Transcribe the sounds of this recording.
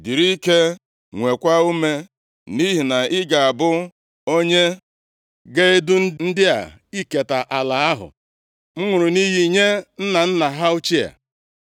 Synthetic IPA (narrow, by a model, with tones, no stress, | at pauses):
di˨ɾi˦ke˦ | ŋʷe˨kʷa˦u˦me˦ | ni˦ɦi˨na˨ɪ˦ɡa˨a˨bʊ˦ | o˦ɲe˦ | ɡe˦e˦dʊ˦n̩˦n̩˦dɪ˦a̰˨ | i˦ke˨ta˨ʔa˨la˨a˦ɦʊ̰˨ | m̩˦ŋʷʊ˨ɾʊ˨ni˦ɦi˦˨ɲe˦n̩˦na˨n̩˦na˨ɦa˦ʊ˦t͡ʃi˦a̰˨